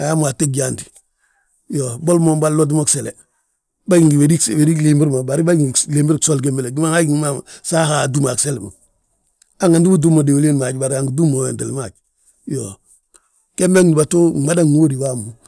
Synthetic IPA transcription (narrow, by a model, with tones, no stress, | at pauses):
a˨ja˦mu˨a˨te˦k̚ɟaːnti̥˨ | jo˨bo˦lmo˨ba˦lːod̬i˦mo˦kse˨le˨ | ba˦ɟi˨ŋɡi˨wediwe˨ɾi˦kle˦mbi˦ɾma˨ba˨ɾi˦ba˦iŋleːmbi˦ɾkso˦lke˦mbe˦le˨ɡi˦ma˦ŋa˦ɡiŋma˦msa˦ha˨du˦ma˨kse˦lma̰˨ | a˦ŋa˨ndi˦bu˦du˦mo˨de˨wo˨le˦nma˨ɟba˨ɾa˨ŋɡidu˦mo˨wḛ˨nte˨lma˨ɟ | jo | ke˦mbe˦ŋdi˨ba˨to˦˨ma˦da˦ŋwo˦ɾi˨waː˦mu˨